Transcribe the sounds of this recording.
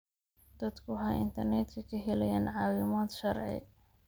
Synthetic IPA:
d̪̥ɐd̪kʰʊɦɐʔɪ̰nt̪ʰɐrnɛt̪kʰɐkʰɐɦɪlɛjaːnʕɑːwɪmɔːd̪ʃɐrʕɪ̰

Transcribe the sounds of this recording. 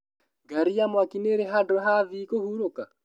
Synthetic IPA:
ɡaɾiamwakineɾeɦadɔɦaðiːkohuɾoka

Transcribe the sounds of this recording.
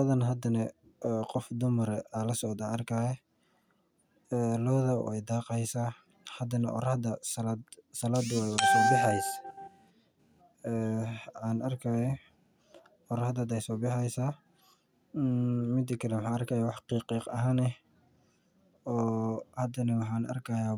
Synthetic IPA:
ɔðɐnɐɦɐd̪ɐnɐ | qɔfd̪ʊmɐɾɛalɐsɔd̪aːnɐrkʰaːjɛ | ɛːlɔːðɐɔ̰ɛjd̪ɑːqɛjsaː | hɐd̪ɐnɐʔɔ̰ɾɐhd̪ɐsɐlad̪sɐlaːd̪wɛwɾsɔːbɪħɑjs | ɛʕɑːnɐrkʰaːjɐ | ɔɾɐhd̪ɐd̪ɛjsɔːbɪħɛjsa | mɪd̪ɪkʰɐlɛwħɑːɐrkʰaːjawɑħqiːqiːqɐɦaːnɛ | ɔːhɐd̪ɐnɐwɑħɑːnʔɐ̰rkʰajaː

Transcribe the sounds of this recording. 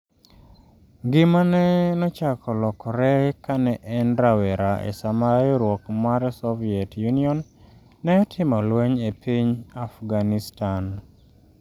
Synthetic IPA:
ŋɡɪmanɛnɔt͡ʃakʰɔlɔkɔɾɛkanɛʔɛnɾawɛɾaḛsamajɔɾwɔkmaɾɛsɔviɛtjuniɔnː | ɛɔtʰɪmɔlwɛɲepʰiɲafɡanistan

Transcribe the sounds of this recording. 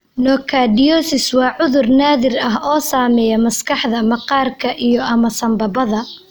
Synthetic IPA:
nɔːkʰaːdɪjɔːsɪswɑːʕʊðʊrnaːðɪrɐɦɔːsaːmɛːjɐmɐskʰɑħðɐmɐqɑːrkʰɐʔijɔʔɐmɐsɐmbɐbɐðɐ

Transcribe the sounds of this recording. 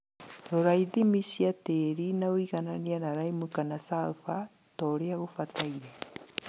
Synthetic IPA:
ɾoɾaiðimiʃiateɾinawiɣananianaɾaimukanasalfa | tɔːɾeaɣofataiɾɛ

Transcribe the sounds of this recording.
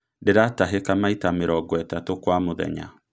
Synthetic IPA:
deɾataɦekamaitameɾɔɡɔɛtatokwamoðɛ̰ɲa̰

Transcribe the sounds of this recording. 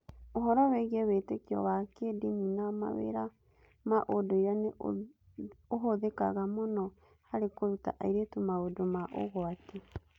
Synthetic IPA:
oɦɔɾɔweɣiɛwetekiɔ̰wakedimunama̰wḛɾa | maʔodoiɾane | oɦoðeka̰ɣamonɔ | haɾekoɾuta̰ʔaiɾetumaodomaʔo̰ɣwate

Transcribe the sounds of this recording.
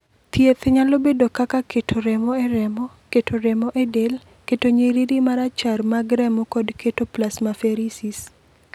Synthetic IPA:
t̪jet̪ɲalobedokakaketʰoɾɛmɔɛɾɛmɔ | ketʰoɾɛmɔʔedel | ketoɲeɾiɾimaɾat͡ʃarmaɡɾɛmɔkɔdkʰetoplasmafeɾisis

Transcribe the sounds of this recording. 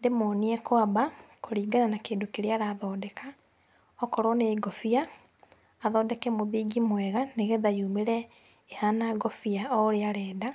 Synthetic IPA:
ndemɔːniɛkwabakoɾiːɡananakeːndokeɾeaɾaðɔːdɛka | ɔkɔɾɔneiɡɔfiaː | ðɔːdɛkɛmoðiːɡimwɛɣaneɣɛðajuːmeɾɛ | ehanaɡɔfiaɔoɾeaɾɛːda

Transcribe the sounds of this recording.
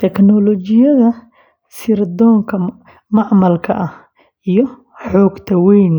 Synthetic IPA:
t̪ʰɛknɔlɔt͡ʃɪjɐðɐ | sɪrd̪ɔːŋkʰɐ | mɑʕmɐlkʰɐʔɐh | ʔijɔ | ħɔːɡt̪ʰɐwɛjn

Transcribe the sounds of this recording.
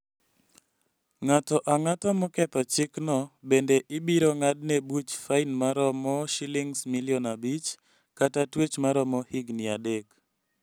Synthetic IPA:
ŋatɔʔaŋatɔmɔkɛt̪ɔt͡ʃɪknɔbendeʔɪbiɾɔŋad̚nebut͡ʃfainmaɾɔmɔʃiliŋsmiliɔnabit͡ʃ | katatwet͡ʃmaɾɔmɔhiɡnɪadek

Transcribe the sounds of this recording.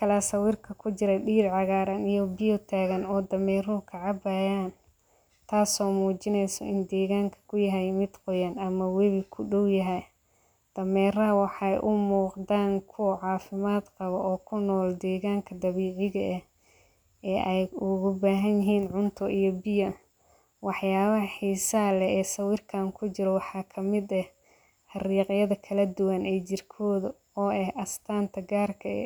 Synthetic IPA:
kʰɐlasɐwɪːrkʰɐkʰʊt͡ʃɪɾɐɖiːɾʕɑɣaːɾɐnijɔbɪjɔt̪ʰaːɣɐnɔːd̪ɐmɛːrʊʊkʰɐʕɑbaːjaːn | t̪ʰaːsɔːmuːt͡ʃɪnɛjsɔ̰ɪnd̪ɛːɣaːŋkʰɐ̥kʰʊjɐɦɛjmɪd̪qɔjanɐmɐwɛβɪkʰʊɖɔwjɐɦɛj | d̪̥ɐmɛːrɐɦwɑħɑjʔʊmuːqd̪aːŋkʰʊwɐʕɑːfɪmaːd̪qɑβɔʔɔːkʰʊnːɔːld̪ɛːɣaːŋkʰɐd̪ɐβiːʕɪɣɐʔɛ | ɛːʔɛjʊɣʊbaːɦɐnjɪɦiːnʕʊnt̪ʰʊʔijɔbɪjɐ | wɑħjaːβɐħiːsɐlɛɛːsɐwɪrkʰaːŋkʰʊt͡ʃɪɾɔwɑħɑːkʰɐmɪd̪ɛh | ħɑriːqjɐðɐkʰɐlɐd̪ʊwɐnɛːt͡ʃɪrkʰɔːðʊ | ɔːɛhʔɐst̪ʰaːnt̪ʰɐɡaːrkʰɐɛ̰

